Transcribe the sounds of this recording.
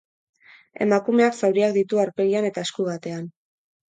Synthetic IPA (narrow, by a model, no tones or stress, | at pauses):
e̞̰makumeaksawɾiakd̪it̪uaɾpe̞ɣiane̞t̪ae̞skuɣat̪e̞an